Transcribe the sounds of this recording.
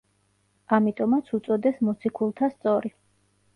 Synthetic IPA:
amit̪ʼɔmat̪sʰut̪sʼɔd̪ɛsmɔt̪sʰikʰulˠt̪ʰast̪sʼɔɾi

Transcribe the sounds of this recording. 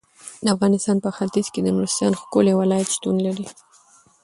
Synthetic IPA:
d̪əafɣɑnɪst̪ɑnpəxat̪izked̪əmɾɪst̪ɑnxkoljawalɑjat̪ʃt̪unlaɾi

